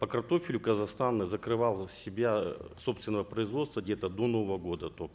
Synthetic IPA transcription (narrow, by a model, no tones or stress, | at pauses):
pəkɐrt̪o̞fʲɪlʲʊkəzɐxst̪anːɨzəkɾɨvalˠsʲɪbʲaso̞pst̪vʲɪnəvəpɾəizvot̪st̪vəɡdʲet̪əd̪o̞novəvəɡo̞d̪ət̪ok